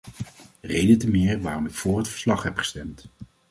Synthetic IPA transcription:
rejdəntəmɪːɹʋaːrɔmɪkfʊːrɦətfə̥ɹslɑχɦɛpχə̥stɛmt

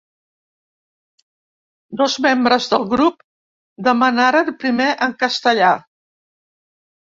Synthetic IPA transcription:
d̪ɔzmembɾəzðəlˠɣɾup | d̪əmənaɾənpɾimeʔəŋkəst̪əʎa

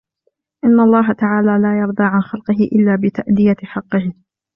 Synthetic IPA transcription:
ʔɪnːalˤːɑːɦat̪aʕaːlaːlaːjɑɾˤd̪ˤɑːʕanxɑlqɨɦɪʔɪlːaːbɪt̪aʔd̪ɪjaħɑqːɨh

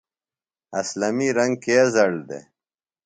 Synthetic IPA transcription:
ɐslɐmiɾɐŋɡ̚kezɐɽd̪ḛ

